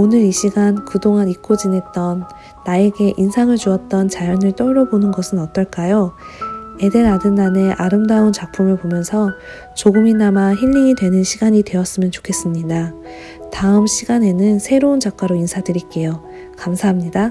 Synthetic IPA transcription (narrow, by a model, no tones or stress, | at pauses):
onɯɾiɕʰiɡankɯdoŋanik͈od͡ʑinɦe̞t̚t͈ʌnː | ae̞ɡe̞ʔinsʰaŋɯɭt͡ɕuʌt̚t͈ʌnt͡ɕajʌnɯɭt͈ʌɾʌbonɯnɡʌsʰɯnʌt͈ʌɭk͈ajo | e̞de̞ɾadɯnːane̞ʔaɾɯmdaont͡ɕak̚pʰumɯɭpomjʌnsʰʌ | t͡ɕoɡɯminamaçiʎːiŋidwe̞nɯnɕʰiɡaɲidwe̞ʌs͈ɯmjʌnt͡ɕo̥kʰe̞s͈ɯmɲida | taɯmɕʰiɡane̞nɯnsʰe̞ɾound͡ʑak͈̚aɾoinsʰadɯɾik͈e̞jo | kamsʰaɦamɲida